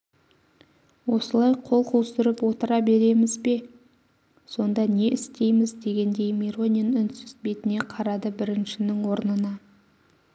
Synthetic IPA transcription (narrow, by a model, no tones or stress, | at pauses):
wo̞səlˠɑjqʰo̞lˠqʰuwˠsɪɾəpwo̞t̪əɾɑbe̞ɾe̞mɪzbe̞ | so̞nd̪ɑne̞ʔɪst̪e̞jmɪzd̪e̞ɡʲe̞nd̪e̞jmiɾo̞ninʏnsʏzbe̞t̪ɪne̞qʰɑɾɑd̪əbɪɾɪnʃɪnɪŋwo̞ɾnənɑ